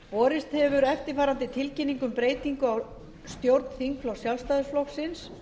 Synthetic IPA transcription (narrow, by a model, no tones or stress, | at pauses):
pɔːɾɪst̪hɛvʏɾɛft̪ɪɾfaːɾant̪ɪt̪ʰɪlcɪnːiŋkʏmpɾeːjt̪iŋkʏaw | st̪jowɾt̪n̥θiŋkflɔ̥sjalst̪ajðʏsflɔxsɪns